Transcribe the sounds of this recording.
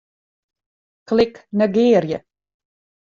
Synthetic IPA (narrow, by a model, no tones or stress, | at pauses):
klɪknəɡeːɾjə